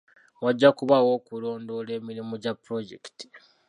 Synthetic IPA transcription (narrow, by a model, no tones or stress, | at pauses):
waɟːakuβawo̞ːkulo̞ːndo̞le̞ːmiɾimuɟapːɾo̞ɟḛki̥ti̥